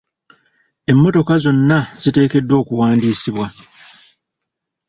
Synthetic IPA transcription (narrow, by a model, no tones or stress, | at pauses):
e̞mːo̞to̞kazo̞nːaz̥ite̞ːke̞dːwo̞ːkuwaːndiːsiβwa